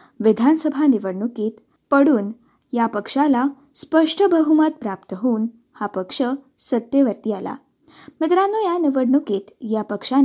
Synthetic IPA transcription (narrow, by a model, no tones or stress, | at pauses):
ʋid̪ʱansəbʱaniʋəɽɳukit̪ | pəɽuːn | japəkʂala | spəʂʈʰəbəɦumət̪̚pɾapt̪əɦuːn | hapəkʂəsət̪ːjeʋəɾt̪iala̰ | mit̪ɾanujaniʋəɽɳukit̪japəkʂan